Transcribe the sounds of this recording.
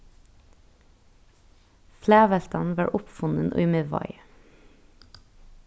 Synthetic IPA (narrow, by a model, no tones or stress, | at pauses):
flæːʋɛlt̪ɑnʋɑːɹʔʊpfʊnənʔo̰ːmeʋɑ̰ɪ